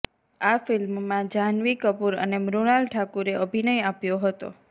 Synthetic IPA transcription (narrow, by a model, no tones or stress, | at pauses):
afɪlmmãd͡ʒanʋikəpuɾə̰nemɾunalʈʰakuɾeəbʱinəjapjoɦət̪o̰